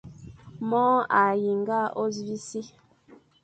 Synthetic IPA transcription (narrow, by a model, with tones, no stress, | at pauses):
mɔ˦a˨ji˨ŋɡa˦ʔo˦zvi˦si˦